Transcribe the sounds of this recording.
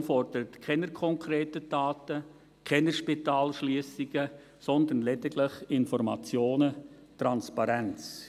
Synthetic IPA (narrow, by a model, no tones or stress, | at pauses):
nfɔrd̥əɾətkʰɛnəɾkʰɔŋkʰɾeːtəd̥aːtə | kʰɛnəʃpitaːlʃliːsiɡə | sɔnd̪ənlɛditlɪχɪnfɔɾmɑ̰t͡sjoːnə | trɑnspɑɾɛnt͡s